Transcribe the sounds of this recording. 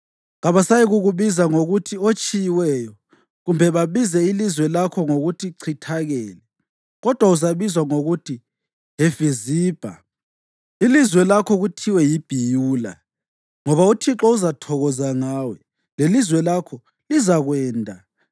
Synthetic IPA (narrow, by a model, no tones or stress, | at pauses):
ɣaβasajiɣuɣuβizaŋoɣutʰiot͡ʃʼijiwɛjɔ | ɣumbʱɛβaβizɛilizwɛlakʰɔŋoɣutʰiǀʰitʰaɣɛːlɛ | ɣɔd̥ʱwauzaβizwaŋoɣutʰi | ɦefiziːb̥ʱa̰ | ilizwɛlakʰɔɣutʰiwɛjib̥ʱijuːla̰ | ŋɔβautʰiǁɔuzatʰɔɣɔzaŋaːwɛ | lelizwɛlakʰɔ | lizaɣwɛːndʱa